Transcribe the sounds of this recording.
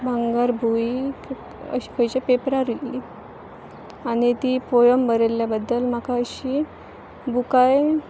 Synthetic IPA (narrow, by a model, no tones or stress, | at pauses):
bʱaŋɡaɾbʱuik | ə̰ɕi̥kəjt͡ɕapepɾaɾili | anit̪iːpojəmbəɾelːjabəd̪ːəlm̤akaəɕi | bukaj